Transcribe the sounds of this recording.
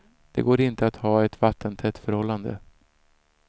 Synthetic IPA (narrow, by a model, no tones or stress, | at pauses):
d̪̥ɛ̰ɡoːɾɪnt̪əat̪hɑːɛt̪vat̪ːənt̪ʰɛt̪ːfœɾhɔlːand̪ə̰